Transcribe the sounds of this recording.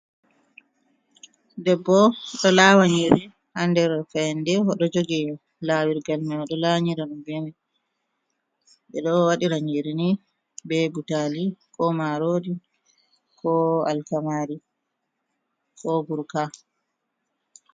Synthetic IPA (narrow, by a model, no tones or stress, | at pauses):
dɛbːɔɗɔlaːwaɲiɾi | handɛɾfɛjndɛhɔɗɔd͡ʒoɡɛ | laːwiɾɡalmɛɔɗɔlawɲiɾaɗumbɛnɛ | bɛɗɔwaɗiɾaɲiɾini | bɛbutaːlikɔmaɾoːdi | kʰɔa̰lkamaːɾi | kɔɡuɾka